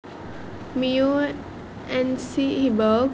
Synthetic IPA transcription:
miu | ʔɛ̃nsihibə

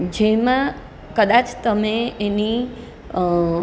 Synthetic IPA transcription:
d͡ʒemã | kəd̪at͡ʃt̪əmeeni

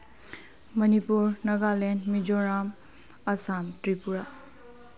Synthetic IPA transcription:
mʌnipuɾnɐɡalenmid͡ʒɔɾam | ɐsamtɾipuɾa

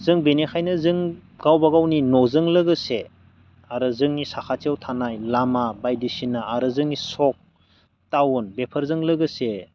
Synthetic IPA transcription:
zɯŋbenekʰajnɯzɯŋɡ̥awbaɡawninɔzɯŋlɯɡɯse | aɾɯzɯŋnisakʰatiawtʰanajlamabajdisinaaɾɯzɯŋnisɔk̚ | tawunbepʰəɾzɯŋlɯɡɯse

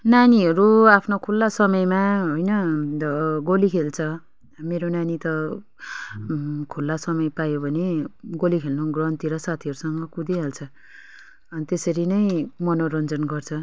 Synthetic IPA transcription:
naniɦʌɾuapʰnokʰulːasʌmʌjmaɦojnʌ | ɡolikʰelt͡sʰʌ | meɾonanit̪ʌ | kʰulːasʌmʌjpajobʱʌneɡolikʰelnoɡrʌnt̪iɾʌsat̪ʰiʌɾusʌŋɡʌkud̪iɦalt͡sʰʌ | ʌnt̪esʌɾinʌjmʌnoɾʌnd͡zʌnɡʌrt͡sʰʌ

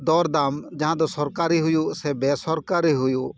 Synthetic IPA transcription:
d̪ɔːɾd̪aːmd͡ʒɐɦãd̪osɔɾkaːɾiɦʊjuseːbeːsɔɾkaːɾiɦʊju

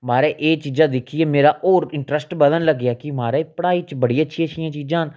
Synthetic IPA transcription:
maːɾeːʔeːt͡ʃiːd͡ʒãːd̪ɪkʰieːmeːɾaːʔoːɾɪɳʈɾəsʈbəd̪ənləɡaːkɪmaːɾeːpəɽaːiːt͡ʃbəɽiaətːʃʰiːət͡ʃːʃʰijãːt͡ʃiːd͡ʒãːɦn

